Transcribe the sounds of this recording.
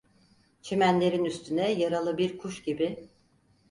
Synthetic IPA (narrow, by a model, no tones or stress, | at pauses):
t͡ʃʰemænlʲe̞ɾinyst̪ʰynɛjaɾalˠɯbiɾkʰuʃɟibɪ